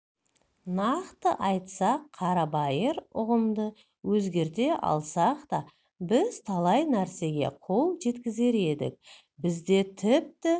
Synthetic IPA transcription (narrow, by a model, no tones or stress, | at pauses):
nɑqt̪əʔɑjt̪sɑqʰːɑɾɑbɑjəɾʊʁəmd̪ə | wɵzɡʲe̞ɾt̪e̞ʔɑ̰lˠsɑqt̪ɑ | bɪz̥t̪ʰɑlˠɑjnæɾse̞ɡʲe̞̰qʰolˠʒe̞t̪kʲɪze̞ɾe̞d̪ɪ̰k̚ | bɪzd̪e̞t̪ʰɪp̚t̪ɪ